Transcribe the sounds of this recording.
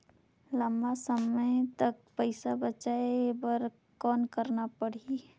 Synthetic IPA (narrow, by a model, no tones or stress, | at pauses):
ləmbasəməjt̪ɐk̚pəɪsabət͡ʃaebəɾ | kɔːnkəɾnapəɽ̤i